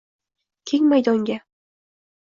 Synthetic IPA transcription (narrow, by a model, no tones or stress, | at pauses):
kʲʰeŋʲmajd̪ɒŋɡʲæ